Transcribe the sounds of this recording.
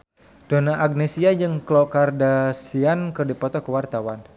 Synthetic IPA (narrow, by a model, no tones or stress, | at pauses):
d̥onaʔaɡ̚nesiad͡ʒɨŋklɔkardasiankɨrdipɔt̪ɔkəwart̪awan